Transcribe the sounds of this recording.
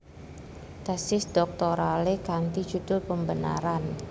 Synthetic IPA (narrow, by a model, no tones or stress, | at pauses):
d̪̥asɪsdɔk̚t̪ɔɾalekant̪i̥d͡ʒudʊlpəmbəna̰ɾan